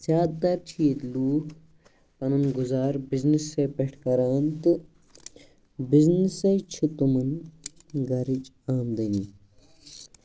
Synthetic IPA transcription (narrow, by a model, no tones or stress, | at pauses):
zjaːd̪t̪ɐɾt͡ʃʰiːd̪luːk | pɐnɐnɡuzaːɾbiznisːeːpeʈʰkɐɾaːnt̪ɨ | biznisɐjt͡ʃʰut̪umɨn | ɡɐɾit͡ʃ | aːmd̪ɐni